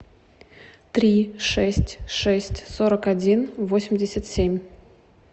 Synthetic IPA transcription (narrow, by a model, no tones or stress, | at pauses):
t̪ɾʲiʂɛsʲtʲʂɛsʲtʲsoɾəkadʲinvosʲɪmʲdʲɪsʲat̪sʲemʲ